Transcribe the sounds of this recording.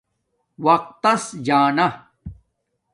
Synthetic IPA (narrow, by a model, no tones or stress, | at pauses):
wɐq̚t̪ːɐsd͡ʑaːna